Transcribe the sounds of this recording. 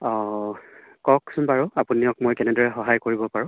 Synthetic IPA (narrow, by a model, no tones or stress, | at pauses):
ɔ | kɔksʊnpaɹʊapunijɔkmojkɛnɛdɔɹɛxɔɦajkoɹibɔpaɹʊ̃